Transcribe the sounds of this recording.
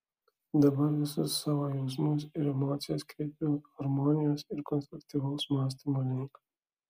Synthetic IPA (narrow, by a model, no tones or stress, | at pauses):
d̪ɐbɐɾʋɪsʊsːaʋaːjɐwsmuːs̬ɪɾɛmoːt̪sijoːskɾʲeːpʲoxɐɾmoːnɪjoːsɪɾkɔnst̪ɾukt̪iʋoːsmɑːs̬t̪ɐmɐlʲiːk